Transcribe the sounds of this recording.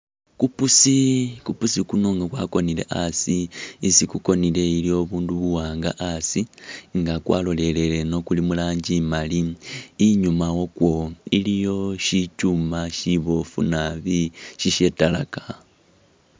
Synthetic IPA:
kupusikupusikunoŋɡakwako̞nile̞̰ʔasiːsikuko̞nile̞ilio̞βuːnduβuwaːŋɡa̰ʔasiŋɡakwa̰ːlo̞le̞le̞le̞no̞kulimulaːɲɟimaliː | ɲumawokwo̞ilijo̞ʃicumaʃiβofṵnaβiʃiʃetala̰kḁ

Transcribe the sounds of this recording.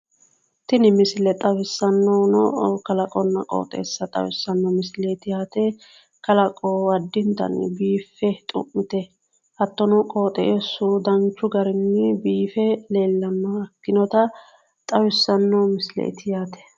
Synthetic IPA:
t̪ɪnɪmɪslɛt̪ʼɐwɪsːɐnːɔnɔkɐlɐkʼɔnːɐkʼo̰ːt̪ʼḛːsːɐt̪ʼɐ̰wɪsːɐnːɔmɪslet̪ɪjaːt̪ɛ | kɐlɐkʼɔɐd̪ːɪnt̪ɐ̰nbiːfːɛt̪ʼʊ̰ʔːɪt̪ɛ | ʔɐt̪ːɔnɔkʼo̞ːt̪ʼɛ̰ʔesːʊd̪ɐnt͡ʃːʊɡɐɾɪnːɪbiːfɛle̞ːlːɐnːɐkːɪnɔt̪ɐ | t̪ʼɐwɪsːɐnːɔmɪslḛʔt̪ɪjaːt̪ɛ̥

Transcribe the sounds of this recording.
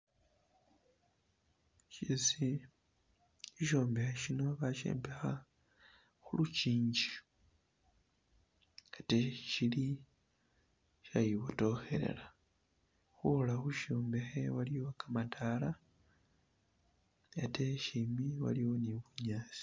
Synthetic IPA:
ʃisi | iʃoːmbexeʃino̞βaʃḛːmpexa | xuluciːɲɟi̥ | atecili | ʃajiβoto̞xe̞̰ɾḛla | xulaxuʃoːmbexewaliwokamatʰala | ateʃimiwa̰liwo̞niβuɲaːsi̥

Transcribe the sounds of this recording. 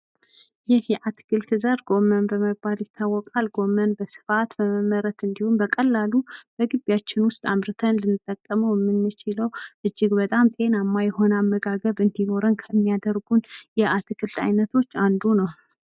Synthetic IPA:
jɪhjɛʔat̪ɨ̥kʰɨlt̪ʰɨzaɾɡo̞mənbəməbaljɪt̪ʰːawːɔkʼalɡo̞mːənbəsɨ̥fat̪bəməmːəɾət̪ɨnd̪ihumbəkʼəlːalub̥əɡɨbjat͡ʃːɪnwʊst̪ʼamɾɨt̪ʰənlɨnːɨt̪ʼːəkʼːəməwjɛmːɨnmːɨt͡ʃɪləwʔɨd͡ʒːɪɡbət̪ʼamt̪ʼe̞namːajho̞namːəɡaɡəβɨnd̪ino̞ɾənkʰəmːijad̪əɾɡunjɛʔat̪ʰɨkʰɨlt̪a̰jnət̪ʰo̞t͡ʃːand̪unəw

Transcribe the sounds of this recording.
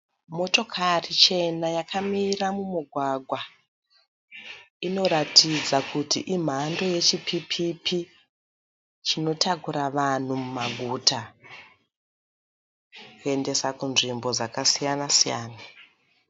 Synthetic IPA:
mo̞to̞kʰarit͡ʃe̞najakʰamiɾamumuɡʱwaɡʱwa | ino̞ɾatʰid͡zakutiʔim̤ando̞je̞t͡ʃipʰipʰipʰi | t͡ʃino̞takuɾaʋan̤umumaɡʱutʰa | kue̞nde̞sakunʐimbo̞d͡zakasijanasijaːna

